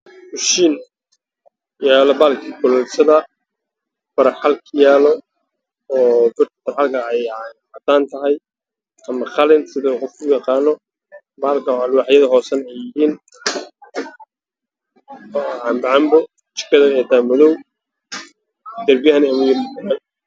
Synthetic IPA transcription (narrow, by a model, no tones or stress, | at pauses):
fʊʃiːn | jaːlɔbaːlkʰiːkʰɔlɛlsɐðɐ | fɐɾɐħalkʰjaːlɔ | ɔːbɪrt̪ʰɐ̥ɐɾħalkʰɐɛjħɑt̪ʰaːnt̪ʰɐɦɛj | ɐmɐχɑlɪnsɪðɛuqɔfkʰʊjɑqɑːnɔ | baːlkʰɐalwaħjɐðɐɦɔːsɐnɛjɪɦiːn | ʕɑmbɐʕɑmbɔ | t͡ʃɪ̥kʰɐðɐɛt̪ʰaːmɐðɔw | d̪ɐrbɪjɐhɐnɐmɐj